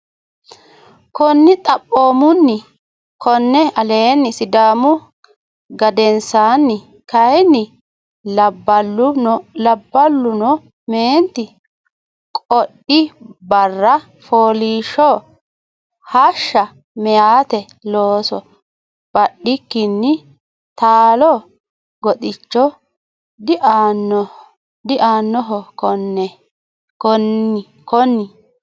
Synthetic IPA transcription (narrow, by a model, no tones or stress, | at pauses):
kɔnːɪt̪ʼɐpʼːoːmʊnːɪ | kʰɔnːɛɐleːnːɪsɪd̪aːmʊ | ɡɐd̪ɛnsaːnːɪ | kɐjnːɪ | lɐbːɐlʊlɐbːɐlːʊnɔ | meːnt̪ːɪ | kʼɔɗɪbɐrːɐ | foːliːʃɔ | hɐʃːɐ | mɛjaːt̪ɛ | loːsɔ | b̥ɐɗːɪkːɪnːɪ | t̪aːlɔ | ɡɔtɪt͡ʃːɔ | d̪ʔanːɔ | d̪ɪʔaːnːɔɦɔkɔnɛ | kɔnːɪ | kɔnːɪ